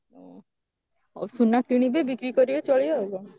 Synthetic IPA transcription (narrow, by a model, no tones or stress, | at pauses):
o̰ | ɔ̰sunːak̚ʈiɽ̃ibebikɾikɔɾibet͡ʃɔɭijɔeɡɔ